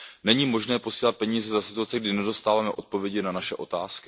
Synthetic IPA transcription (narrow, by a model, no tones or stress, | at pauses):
nɛɲiːmo̞ʒnɛːpo̞siːlat̪̚pɛɲiːzɛzasɪt̪uat͡sɛɡdɪnɛdo̞st̪aːvaːmɛʔo̞t̪̚po̞vjɛɟɪnanaʃɛʔo̞t̪aːskɪ